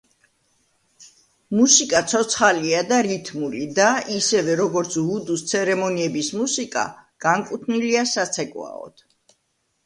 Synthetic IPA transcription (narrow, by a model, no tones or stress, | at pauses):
musikʼat̪sʰɔt̪sʰχaliad̪aɾit̪ʰmulid̪aisɛvɛɾɔɡɔɾt̪sʰud̪ust̪sʰɛɾɛmɔniɛbismusikʼa̰ɡ̥aŋkʼut̪ʰniliasat̪sʰɛkʼwa̰ɔ̰d̪̥